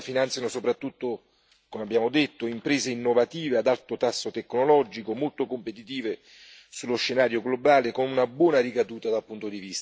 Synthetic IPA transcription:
finant̪sjanosopɾat̪ːut̪ːo | komeabːjaːmod̪et̪ːoimpɾeːzeinːovat̪iːvead̪alt̪ot̪asːot̪ekːnolɔd͡ʒikomolt̪okompet̪it̪iːve | sulːoʃːenaːɾjoɡlobaːlekonunabwɔːnaɾikad̪uːt̪ad̪alpunt̪od̪ivist̪

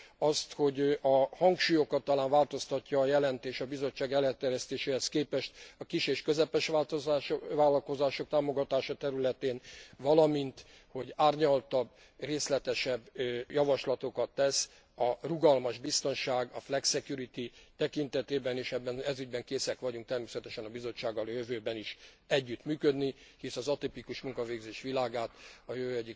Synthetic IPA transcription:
ɒst̪ho̞ɟɒhɒŋkʃuːjo̞kɒt̪ːɒlaːɱvaːlt̪o̞st̪ɒcːɒːjɛlɛnt̪eːʃɒbizo̞t͡ʃːaːɡɛlːɛt̪ːɛɾjɛst̪eːʃeːhɛskeːpɛʃt̪ɒkiʃeːʃkøzɛpɛʃʋaːlt̪oʋaːlɒlko̞zaːʃo̞k̚t̪aːmo̞ɡɒt̪aːʃɒt̪ɛɾylɛt̪eːnvɒlɒmint̪ | ho̞ɟaːrɲɒlt̪ɒbː | reːslɛt̪ɛʃɛbːjɒvɒʃlɒt̪o̞kɒt̪ːɛs | ɒruɡɒlmɒʒbist̪o̞nʃaːɡɒflɛksɛkjuɾit̪it̪ɛkint̪ɛt̪eːbɛniʃɛbːɛnɛzyɟ̚bɛŋkeːsɛkʋɒɟuŋk̚t̪ɛrmeːsɛt̪ɛʃɛnɒbizo̞t͡ʃːaːɡːɒljøvøːbɛniʃ | ɛɟːyt̪myːkød̪nihisɒzɒt̪ipikuʃmuŋkɒveːɡzeːʃʋilaːɡaːt̪ɒjøvøːɛɟːik

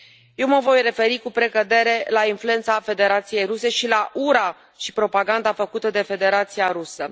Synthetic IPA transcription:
je̞wməvo̞jre̞fe̞ɾikupɾe̞kəd̪e̞ɾe̞lainflue̞nt̪safe̞d̪e̞ɾat̪sije̞jɾuse̞ʃilaʔuɾa | ʃi̥pɾo̞paɡand̪afəkut̪əd̪e̞fe̞d̪e̞ɾat̪siaɾusə

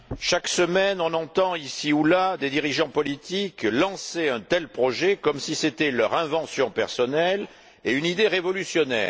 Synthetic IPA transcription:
ʃaksəmɛnɔ̃nɑ̃t̪ɑ̃isiulad̪ed̪iʁiʒɑ̃pɔlit̪iklɑ̃seɛ̃t̪ɛlpχɔʒekɔmsiset̪ɛlœʁɛ̃vɑ̃sjɔ̃pɛʁsɔnɛl | eynid̪eʁevɔlysjɔnɛ̰ːʁ

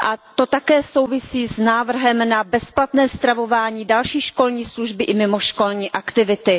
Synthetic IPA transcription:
ʔat̪o̞t̪akɛːso̞wvɪsiːznaːvr̩ɦɛmnabɛsplat̪nɛːst̪ɾavo̞vaːɲiːdalʃiːʃko̞lɲiːsluʒbɪʔɪmɪmoʃko̞lɲiːʔakt̪ɪvɪt̪ɪ

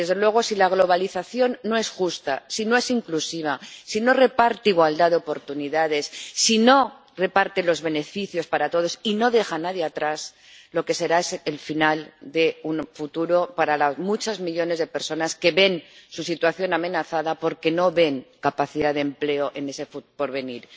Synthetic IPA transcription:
d̪e̞zðe̞lwe̞ɣ̞o̞silaɣ̞lo̞β̞aliθaθjo̞nːo̞e̞sxust̪a̰sino̞e̞siŋklusiβ̞asino̞re̞paɾt̪eiɣwald̪aðeo̞po̞ɾt̪uniðað̞e̞sːino̞ | re̞paɾt̪elo̞zβe̞ne̞fiθjo̞spaɾat̪o̞ð̞o̞sino̞ðe̞xanaðjeat̪ɾas | lo̞ke̞se̞ɾaselfinald̪e̞unfut̪uɾo̞paɾalazmut͡ʃazmiʎo̞nezð̞e̞pe̞ɾso̞naske̞βe̞nsusit̪waθjo̞namẽ̞naθaðapo̞ɾke̞no̞βe̞ŋkapaθiðaðemple̞oʔe̞ne̞sefupo̞ɾβe̞niɾ

